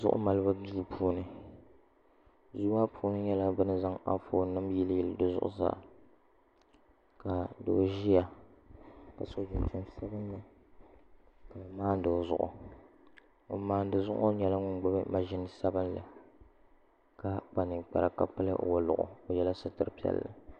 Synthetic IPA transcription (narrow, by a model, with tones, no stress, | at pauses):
zʊ̰˦ʔʊ̰˦ma˨lɨ˦ba˦du˦pʰuː˦nɨ˦ | zu˦a˦pʰu˦nɨ˦ɲɛ˦la˦bɨ˦nɨ˦za˦ŋa̰˦foː˨nɨ˦mji˦ljɪ˦˨ldɨ˦zʊ̰˦ʔʊ̰˦za̰ː˦˨ | ka˨do˦ʒi˦ja˨ | ka˨so˨˦d͡ʒɪ˨ntʊ˨msa˦bɨ˦nːɨ˨ | ka˨maː˦n˦dɨ˨zʊ̰˨ʔʊ̰˨ | o˨maː˦n˦dɨ˨zʊ̰˦ʔo˦ɲɛ˨la˦ŋʊ˦ŋɡ͡ba˦bɨ˦ma˨ʒɪ˦nɨ˨sa˦bɨ˦nlɨ̰˨ | ka˨k͡pa˨nɨ˨ŋk͡pa̰˨ɾa˨ka˦pɨ˦lɨ˦ʔwa˨lʊ̰˨ʔʊ̰˨o˨jɛ˦la˦sɨ˦tɨ˦ɾɨ˦pi˨˦ɛ̰˨lːɨ̰˦